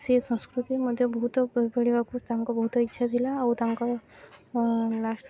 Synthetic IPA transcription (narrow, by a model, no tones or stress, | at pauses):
sesə̃w̃skɾut̪iməd̪ʱːjəbəɦut̪bəɽiʋakust̪aŋkɔbəɦut̪itːɕʰad̪ʱilaːwt̪aŋka | las